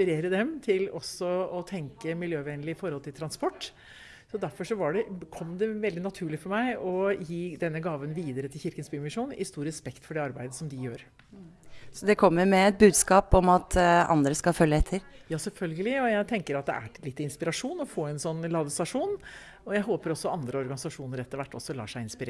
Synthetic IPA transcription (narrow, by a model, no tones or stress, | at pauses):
pɪɾeːɾəd̪ɛmt̪ʰɪlɔsːɔɔt̪ʰɛŋkəmɪljøːʋɛnlɪɪfɔɾhɔlt̪ʰɪlt̪ʰɾɑnspɔʈː | sɔd̪æɾfɔʂɔʋɑɖɛkʰɔmd̪ɛʋɛld̪ɪnɑt̪ʰʉːɭɪfɔɾmæɪɔjiːd̪ɛnːəɡɑːʋənʋiːd̪əɾət̪ʰɪlçɪɾkənsbyːmɪʂuːnɪ̰st̪uːɾɛspɛkt̪fɔɖɛːɑɾbæɪd̪əsɔmd̪ɪjøːɾ | sɔd̪ɛkʰɔmːəɾmɛɛt̪̚bʉːd̪skɑːpɔmɑt̪ʰɑ̰nd̪ɾəskɑfœljəɛt̪ʰːəɾjɑːsɛlfœlɡəlɪɔjæɪt̪ʰɛŋkəɾɑt̪̚d̪ɛ̰ʔæ̰ʈɪlɪt̪ːɪnspɪɾɑʂuːnɔfoːɛnsɔnːlɑːd̪əsɑʂuːn | ɔjæɪɦoːpəɾɔsːɔɑnd̪ɾəɔɾɡɑnɪsɑʂuːnəɾɛt̪ːəɾʋæʈːɔ̰sːɔlɑ̰ːʂæɪɪnspɪɾe